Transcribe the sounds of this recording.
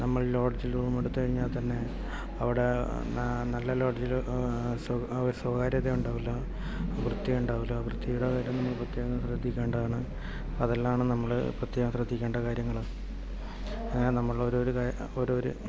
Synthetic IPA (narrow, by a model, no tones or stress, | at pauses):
nɐmːɐɭlo̞ːɖd͡ʑiluːumeɽut̪ːukɐɻiɲːaːlt̪ɐnːe̞ | ɐʋiɽe̞ | nɐlːɐlo̞ːɖd͡ʑilsɾuswɐkaːɾjɐt̪ːeuɳɖaːʋilːo | ɐʋrɨt̪ːiuɳɖaːʋilːoɐʋrɨt̪ːijjuɽɐkaːɾjɐmnɐmukːprɐt̪jeːɣɐmsrɐd̪ʱːikʲːe̞ːɳɖɐðaːɳɨ | ɐðelːamaːɳɨnɐmːɐɭ̰prɐt̪ːjeːɣɐmsrɐd̪ʱːikʲːe̞ːɳɖɐkaːɾjɐŋːɐɭ | ɐŋːanɐmːɐɭoɾoɾuka | oɾoɾṵ